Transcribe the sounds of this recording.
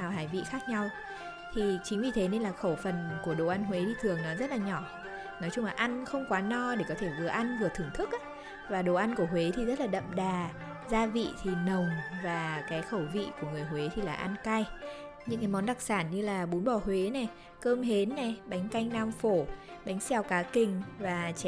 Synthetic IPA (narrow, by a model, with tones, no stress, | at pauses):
aː˨˩wɦaː˧˩jvḭ˧˨xaː˦˥k̚ɲa˧w | t̪ʰi˨˩t͡ɕï˨˦ŋ̟vi˨˩t̪ʰe˨˦ne˧nlaː˨˩xə˧˩wfə˨˩nku˧˩əɗo˨˩ʔa˧nhwe˨˦ɗi˧t̪ʰɨ˨˩əŋnɔ˨˦zə˦˥t̚laː˨˩ɲɔ˧˩ | nɔ˨˦jt͡ɕʊ˧ŋ͡mlaː˨˩ʔa˧nxə˧wŋ͡mkwaː˨˦nɔ˧ɗe˧˩kɔ˨˦t̪ʰe˧˩vɨ̰˨˩əʔa˧nvɨ˨˩ət̪ʰɨ˨˧˩əŋt̪ʰɨ˦˥k̚ʔa˨˦ | vaː˨˩ɗo˨˩ʔa˧nku˧˩əɦwe˨˦t̪ʰi˨˩zə˦˥t̚laː˨˩ɗə̰˧˨mɗaː˨˩ | zaː˧vḭ˧˨t̪ʰi˨˩nə˨˩wŋ͡mvaː˨˩kaː˨˦jxə˧˩wvḭ˧˨ku˧˩əŋɨ˨˩əjhwe˨˦t̪ʰi˨˩laː˨˩ʔa˧nka˧j | ɲɨ̰˧˥ŋkaː˨˦jmɔ˨˦nɗa˨˩k̚saː˧˩nɲɨ˧laː˨˩ɓu˨˦nɓɔ˧˩hwe˨˦nɛ˨˩ | kəː˧mɦe˨˦nːɛ˨˩ɓa˨˦jŋ̟ka˧jŋ̟naː˧mfo˧˩ | ɓa˨˦jŋ̟sɛ˧˩wkaː˨˦kï˨˩ŋ̟vaː˨˩t͡ɕɛ˧